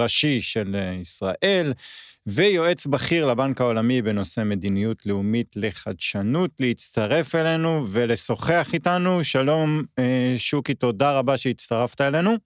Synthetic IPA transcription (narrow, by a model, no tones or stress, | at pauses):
aʃiʃe̞lisʁaʔe̞lvejo̞e̞t͡sbaχiʁlabankao̞lamibe̞no̞se̞me̞d̪inijutleumitle̞χadʃanutlehit͡staʁe̞fele̞nuve̞le̞so̞χeaχitanuʃalo̞mʃukito̞daʁabaʃeitt͡st̪aʁaftaele̞nu